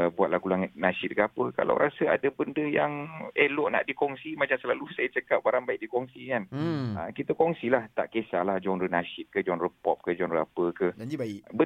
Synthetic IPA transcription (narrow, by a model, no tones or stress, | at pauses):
buat̪̚laɡulaŋət̪̚nasɪt̪̚ɡapəka̰la̰wɾʔasəa̰dəbəndəjaŋehlɔʔna̰ʔdikɔŋsimat͡ʃamsəlalusajət͡ʃəkap̚baɾaŋbaiʔ̚dikɔŋsikanə̰kit̪əkɔŋsilaht̪a̰ʔkesalahd͡ʒɔnrənasɪt̪̚kəd͡ʒɔnrəpɔp̚kəd͡ʒɔnrəapəkəibə